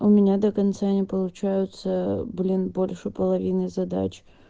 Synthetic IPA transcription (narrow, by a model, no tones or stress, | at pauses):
ʊmʲɪnʲad̪əkɐnt̪sanʲɪpəlˠʊt͡ɕæjʊt̪səblʲinbo̞lʲʂɨpəlˠɐvʲinɨzɐd̪a̰t͡ɕ